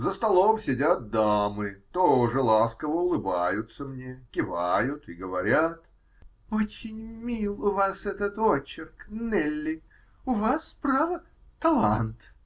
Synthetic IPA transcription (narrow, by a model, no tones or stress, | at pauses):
zəst̪ɐlˠomsʲɪdʲat̪̚d̪amɨt̪oʐɨlˠaskəvəʊlˠɨbajʊt̪səmnʲekʲɪvajʊt̪ɪɡəvɐɾʲat̪ | ot͡ɕɪnʲmʲilˠʊvasɛt̪ət̪ot͡ɕɪrknɛlʲːɪ | ʊvaspɾavə | t̪ɐlˠant̪